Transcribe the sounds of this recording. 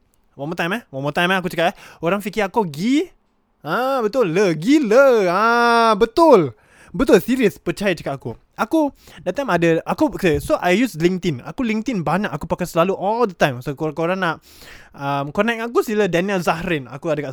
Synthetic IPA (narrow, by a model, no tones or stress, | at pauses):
wɔmɔt̪ãj̃mɛhwɔmɔt̪ãjmɛakut͡ʃəkatɛhoɾaŋfikiakuɡi | ãbət̪ʊlːəɡiləəbət̪ʊl | bət̪ʊlsiɾiəspət͡ʃajat͡ʃəkataku | ʔaku | dɛt̪ːãj̃madəʔakukesoʔajjusliŋt̪ina̰kuliŋt̪inbaɲakakupakasəlaluʔɔld̪ət̪ãjmsokokoɾãŋnaʔ | əmkɔnɛk̚akusilədɛnɛlzahɾina̰kuadəkaʔ